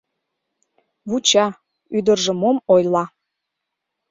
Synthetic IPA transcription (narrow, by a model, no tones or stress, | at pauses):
βut͡ɕɑ | yd̪ərʒə̆momojlˠɑ